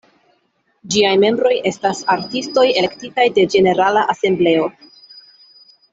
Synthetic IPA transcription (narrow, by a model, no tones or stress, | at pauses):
d͡ʒiajme̞mbɾo̞je̞stasaɾtisto̞je̞lektitajde̞d͡ʒe̞ne̞ɾalaʔase̞mble̞o̞